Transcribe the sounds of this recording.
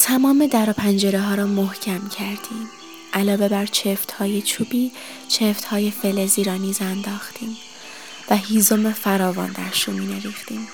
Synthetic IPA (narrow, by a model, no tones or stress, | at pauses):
t̪ʰæmɒːme̞d̪æɾɒːpʰænd͡ʒe̞ɾeɦɒːɾɒːmohcʰæmcʰæɾd̪̥iːm | ʔælɒːve̞bæɾt͡ʃʰeft̪hɒːje̞t͡ʃʰuːbiː | t͡ʃʰeft̪hɒːje̞fe̞leziːɾɒːniːzænd̪ɒːxt̪ʰiːm | væɦiːzo̞mefæɾɒːvɒ̰ːnd̪æ̰ɾʃunmiːneɾiːxt̪iːm